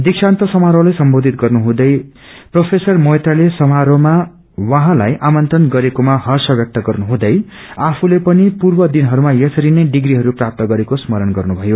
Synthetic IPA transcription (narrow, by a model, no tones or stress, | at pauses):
d̪iksʰant̪ʌsʌmaɾolajsʌmbod̪ʱit̪ɡʌrnuɦũd̪ʌj | propʰesʌrmojt̪alesʌmaɾoma | waɦãlajʔamʌnt̪rʌnɡʌɾekomaɦʌrsʌbjʌk̚t̪ʌɡʌrnuɦũd̪ʌjapʰulepʌnipurbʌd̪inɦʌɾumajʌsʌɾinʌjɖiɡɾiɦʌɾuprap̚t̪ʌɡʌɾekosmʌɾʌnɡʌrnubʱʌjo